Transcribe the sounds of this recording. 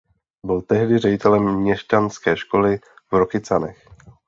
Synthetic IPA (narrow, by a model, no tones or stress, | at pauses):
bɪlt̪ɛɦdɪrɛɟɪt̪ɛlɛmmɲɛʃcanskɛːʃko̞lɪ | vɾokɪt͡sanɛ̰x